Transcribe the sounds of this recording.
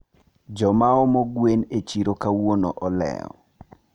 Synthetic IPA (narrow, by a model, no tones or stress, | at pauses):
d͡ʒɔmaɔmɔɡwenet͡ʃiɾokawonɔʔɔlɛ̰ɔ̰